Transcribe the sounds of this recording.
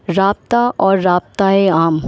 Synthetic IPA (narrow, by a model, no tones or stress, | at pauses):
ɾaːp̚t̪aʔɔːɾːaːp̚t̪aeaːm